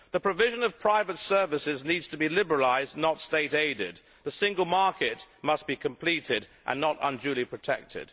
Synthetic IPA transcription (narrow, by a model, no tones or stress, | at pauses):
ðəpʰɹ̥ɨvɪʒə̃nʌv̥pʰɹ̥aɪvɨtsɜ˞vɨsɪznidz̥tʰəbilɪbə˞əlaɪzⁿnətsteɪɾeɪɾɪ̰d̪̚ | ðɨsɪ̃ŋɡəlˠmɑɹkɪt̚mʌsb̥ikʰə̃mpʰl̥iɾɪɾʔə̰̃nːəɾə̰̃nd͡ʒʉlˠipʰɹ̥ɨtʰɛ̰k̚tʰɪ̰d̥